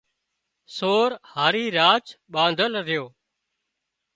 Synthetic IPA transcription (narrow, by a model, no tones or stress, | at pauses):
soːɾhaːɾiːɾaːt͡ʃɓãːnd̪ʱəlɾɪjoː